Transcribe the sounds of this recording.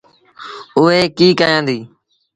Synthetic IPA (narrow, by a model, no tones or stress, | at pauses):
ʊɦeːkiːkaːjãːnd̪iː